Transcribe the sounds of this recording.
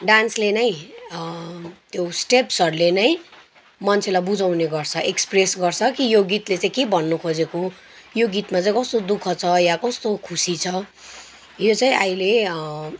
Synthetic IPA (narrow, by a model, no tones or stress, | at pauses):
ɖanslenʌĩ | t̪josʈepsʌɾlenʌj | mʌnt͡sʰelabud͡zawneɡʌrt͡sʰʌʔekspresɡʌrt͡sʰʌkijoɡit̪let͡saĩkebʱʌnːukʰod͡zeko | joɡit̪mat͡saĩkʌst̪od̪ukʰʌt͡sʰʌjakʌst̪okʰusit͡sʰʌ | jot͡saĩʔajile